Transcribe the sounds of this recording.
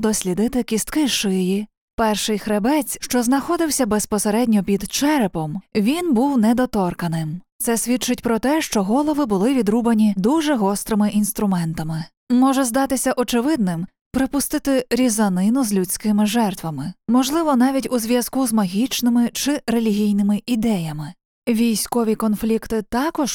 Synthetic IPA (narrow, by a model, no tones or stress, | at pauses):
d̪ɔsʲlʲid̪ɪt̪ɪkʲist̪kɪʃɪji | pɛrʃɪjxɾebɛt͡sʲʃt͡ʃɔznɐxɔd̪ɪwsʲɐbespɔseɾɛdʲnʲɔpʲid̪t͡ʃɛɾepɔmʋʲinbuwnɛd̪ɔt̪ɔrkɐnɪmt̪sɛsʲʋʲit̚t͡ʃɪtʲpɾɔt̪ɛʃt͡ʃɔɦɔlˠɔʋɪbʊlˠɪʋʲid̪ɾubɐnʲid̪uʒɛɦɔst̪ɾɪmɪʔin̪st̪ɾʊmɛnt̪ɐmɪ | mɔʒɛzd̪ɑt̪ɪsʲɐʔɔt͡ʃɪʋɪd̪̚nɪm | pɾɪpʊst̪ɪt̪ɪɾʲizɐnɪnʊzlʲut͡sʲkɪmɪʒɛrt̪ʋɐmɪmɔʒlˠɪʋɔnɑʋʲitʲuzʲʋʲjɐzkuzmɐɦʲit͡ʃnɪmɪt͡ʃɪɾelʲiɦʲijnɪmɪʔid̪ɛjɐmɪ | ʋʲijsʲkɔʋʲikɔnflʲikt̪ɪt̪ɑkɔʃ